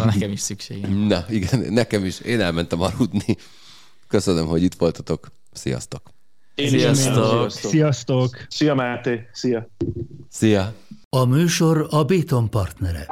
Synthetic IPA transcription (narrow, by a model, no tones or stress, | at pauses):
nɛkɛmiʃsykʃeːɡnɒiɡɛnnɛkɛmiʃeːnɛlmɛnt̪ɛmɒɾud̪ni | kø̞sønømɦo̞ɟit̪ʋo̞lt̪ɒ̥t̪o̞k | sijɒ̰st̪o̞k | eːsijɒst̪oksijɒst̪oksijɒmɛt̪eːsijɒ | sijɒ | ɒmyːʃo̞ɾɒbeːt̪o̞mpɒrt̪nɛɾɛ̰